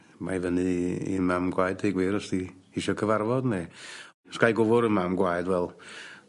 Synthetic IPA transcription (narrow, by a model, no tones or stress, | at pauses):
majvənɨḭmamɡwajdeɡwɪɾɔsd̥ihiʃɔkʰəvarvɔdne | skajɡʊvʊɾəmamɡwajdwɛlˠ